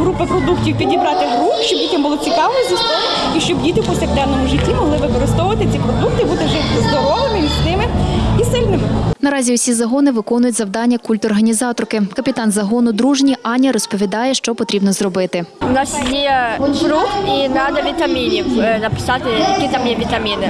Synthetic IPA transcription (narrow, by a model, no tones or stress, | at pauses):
ɦɾupɐpɾɔd̪uktʲiwpʲidʲibɾɑt̪ɪɦɾuxʃt͡ʃɔbdʲitʲɐmbʊlˠɔt͡sʲikɑʋizʲist̪ɔnʲ | iʃt͡ʃɔbdʲit̪ɪpɔsʲɐkd̪ɛnːɔmʊʒɪtʲːimɔɦlˠɪʋɪkɔɾɔst̪ɔwʊʋɐt̪ɪt͡sʲipɾɔd̪uk̚t̪ɪbut̪ɪʒɛzd̪ɔɾɔʋɪmɪmʲisʲnɪmɪisɪlʲnɪmɪnɐɾɑzʲiʊsʲizɐɦɔnɪʋɪkɔnʊjʊtʲzɐwd̪ɑnʲːɐkulʲt̪ɔrɦɐnʲizɑt̪ɔrkɪkɐpʲɪt̪ɑnzɐɦɔnʊd̪ɾuʒnʲiʔɑnʲɐɾɔspɔʋʲid̪ɑjɛʃt͡ʃɔpɔt̪ɾʲibnɔzrɔbɪt̪ɪʊnɑsjɛɾukinɑd̪ɐʋʲit̪ɐmʲinʲiwnɐpɪ̥sɑt̪ɪjɐkʲit̪amjɛʋʲit̪ɐmʲinɪ